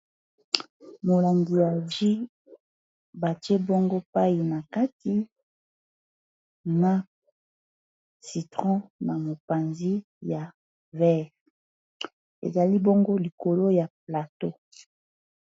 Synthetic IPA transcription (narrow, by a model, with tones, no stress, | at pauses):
mo˨la˨ŋɡi˨ja˨ʒi˦ | ba˨tje˦bo˦ŋɡo˦pa˦i˨na˨ka˦ti˨ | na˨ | si˨tʁɔ̃˦na˨mo˨pa˨nzi˦ | ja˨ | vɛ˦ʁ | ḛ˨za˨li˦bo˦ŋɡo˦li˨ko˨lo˦ja˨pla˨to˦